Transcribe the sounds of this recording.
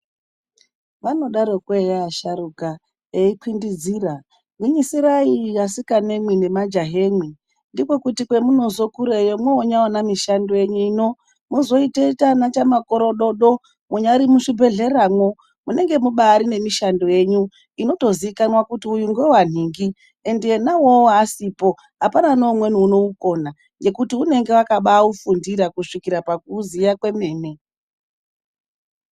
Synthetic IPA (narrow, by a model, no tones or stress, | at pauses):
ʋano̞ɗaɾokwejaːʃaɾuka | eikwindid͡ziːra | wiɲisiɾaijasikane̞mwine̞mad͡ʒaɦemwi | ndiko̞kutikwemuno̞zo̞kuɾejomweoɲaonamiʃandoje̞ɲuino | muzo̞itetanat͡ʃamako̞ɾoɗo̞ɗo | muɲaɾimuʂibʱe̞ɮe̞raːmwo̞ | mune̞ŋɡe̞muɓaːɾine̞miʃandoje̞ɲu | ino̞to̞ziikanwakutiujuŋɡwe̞wan̤iːŋɡi | endienawo̞ːsiːpo̞ | ɦapananomwe̞niuno̞uko̞na | nɡe̞kutiune̞ŋɡe̞wakaɓaufundiɾakuʂikiɾapakuzijakwe̞me̞ːne